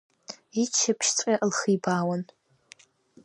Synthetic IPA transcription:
it͡ʃʰapʰʃt͡sʷʼaʔlχijbaːwan

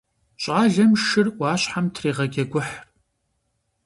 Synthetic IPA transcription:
ɕʼaːɮɐmʃɨrwaːɕħamtʰriːʁɐɡʲɐɡʷʊħr

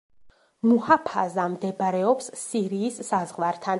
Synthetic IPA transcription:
muhapʰazamd̪ɛbɾɛɔpsːiɾiːsːazʁwaɾt̪ʰan

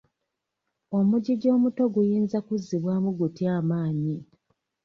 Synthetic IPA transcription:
o̞muɟiɟo̞ːmuto̞ɡujiːnzakuzːiβwaːmuɡutiaːmaːɲi

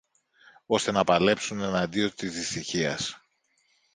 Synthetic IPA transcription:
o̞st̪e̞nɐpɐle̞psune̞nɐd̪io̞t̪izðist̪içiɐs

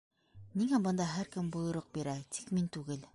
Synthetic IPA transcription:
niŋæmbɤ̆nd̪ɑɦæɾkɘ̆mbulˠɤ̆ɾoq̚biɾæt̪ʰi̥kmint̪ʉɡɘl

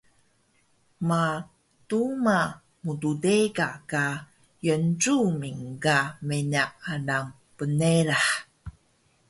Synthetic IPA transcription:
ma | tuma | mududeɡaka | jənʈ͡ʂumiŋkamenaʔanaŋ | pəneɾaħ

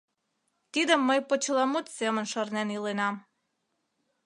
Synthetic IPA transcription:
t̪id̪ə̆mːəjpot͡ɕəlˠɑmut̪semə̆nʃərnenilenɑm

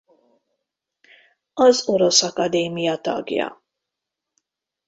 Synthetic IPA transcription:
ɒzoɾosɒkɐd̪eːmijɒt̪ɒ̰ɡjɒ̰

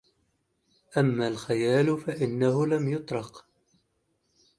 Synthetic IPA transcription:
ʔamːaːlxajaːlʊfaʔɪnːahʊlamjʊt̪ˤɾˤɑq

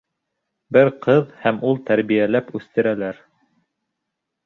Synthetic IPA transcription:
bɘɾqɤðhæmulˠt̪æɾβijælæpʉθt̪ɘ̆ɾælæɾ

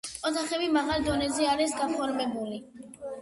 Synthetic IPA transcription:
ɔt̪ʰaχɛbimaʁald̪ɔnɛzɛaɾisɡapʰɔɾmɛbuli

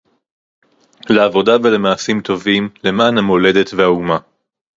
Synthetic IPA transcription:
leavo̞dave̞le̞maːsimt̪o̞vimle̞maːnhamo̞le̞de̞tvehauma

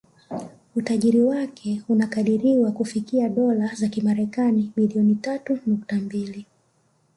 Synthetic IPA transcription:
utaʄiɾiwakʰɛunakaɗiɾiwakufikiaɗɔlazakimaɾɛkaniɓiliɔnitatunuk̚tambili

